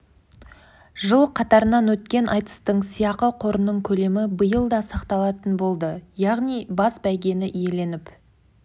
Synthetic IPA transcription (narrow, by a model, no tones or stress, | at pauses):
ʒəlˠqʰɑt̪ɑɾənɑnwɵt̪kʲe̞nʔɑjt̪ə̥st̪əɴsijɑqəqʰo̞ɾənːəɴkʲʰɵle̞mɪbəjəlˠd̪ɑsɑqt̪ɑlˠɑt̪ənbo̞lˠd̪əjɑʁnijbɑsbæjɡʲe̞nɪʔije̞le̞nɪp